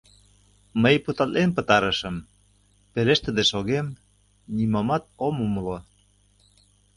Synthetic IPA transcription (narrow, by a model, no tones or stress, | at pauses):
məjput̪ɑt̪lʔenpə̆t̪ɑɾə̆ʃə̆m | peleʃt̪ə̆d̪eʃoɣem | nimɑmɑt̪̚omumlo